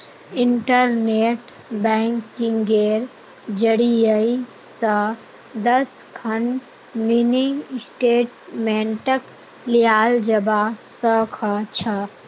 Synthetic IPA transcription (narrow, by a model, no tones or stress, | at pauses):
ɪɳʈəɾneːʈ | bɛ̃ːŋkːiŋɡeːɾ | d͡ʒəɽijəisə | d̪əskʰɐn | minisʈeːʈmɛ̃ːɳʈək | lijaːld͡ʒəbasəkʰət͡ʃʰə